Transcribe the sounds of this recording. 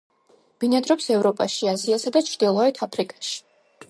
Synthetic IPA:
b̥inad̪ɾɔpsɛvɾɔpʼaʃiaziasad̪at͡ʃʰɾd̪ilˠɔɛt̪ʰapʰɾikʼaʃi̥

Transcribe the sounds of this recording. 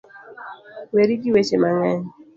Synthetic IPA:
weɾiɡiwet͡ʃemaŋaɲ

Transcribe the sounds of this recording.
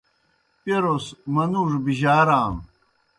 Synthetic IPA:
peɾosmɐnuʐbiʑaːɾaːm

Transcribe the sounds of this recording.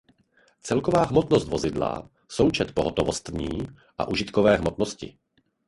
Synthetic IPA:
t͡sɛlkovaːɦmot̪nost̪vo̞zɪdla̰ | so̞wt͡ʃɛt̪po̞ɦot̪ovost̪ɲiː | ʔa̰ʔuʒɪt̪kovɛːɦmot̪noscɪ̰

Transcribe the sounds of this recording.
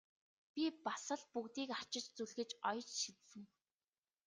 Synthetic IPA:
pʲipasə̆ɮpukt̪iːkḁt͡ɕɪ̆t͡ɕt͡suɮɣɘ̆t͡ɕɔjt͡ɕʃit̪sɘ̆ŋ

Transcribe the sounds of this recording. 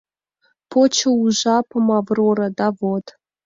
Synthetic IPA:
pʰot͡ɕə̆uʒɑpɤmɑvroɾɤd̪ɑvot̪

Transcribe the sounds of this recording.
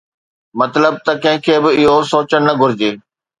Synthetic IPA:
mɐt̪ləb̚t̪ɐkɐ̃ɦɪ̃kʰeːbɪɪɦosoːt͡ɕən̆nɐɡʱʊɾɪd͡ʑeː

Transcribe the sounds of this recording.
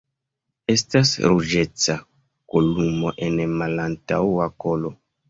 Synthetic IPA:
e̞stasɾud͡ʒe̞t͡sa | kolumo̞ʔe̞nmalantawako̞lo̞

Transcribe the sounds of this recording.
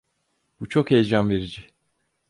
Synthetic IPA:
b̥ut͡ʃʰo̞khejd͡ʒanveɾid͡ʒi

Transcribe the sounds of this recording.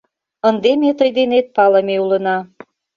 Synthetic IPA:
ə̆nd̪emet̪ɤjd̪enet̪̚pɑlɤmeulə̆nɑ

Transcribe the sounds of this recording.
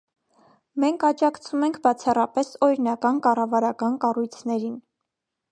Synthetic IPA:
mɛŋkʰɑt͡ʃɑkt͡sʰumɛŋkʰbɑt͡sʰɑrɑpɛsɔɾinɑkɑnkɑrɑvɑɾɑkɑnkɑrujt͡sʰnɛɾin

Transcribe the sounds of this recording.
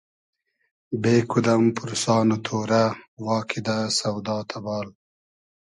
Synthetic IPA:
beːkud̪ɐmpʊɾusɑːnot̪ʰoːɾawɑːkʰid̪asɐwd̪ɑːt̪ʰabɑːl

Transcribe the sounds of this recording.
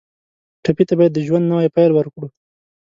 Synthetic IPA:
ʈapit̪abɑjad̪ːəʒwand̪nawajpajlwəɾkɽu

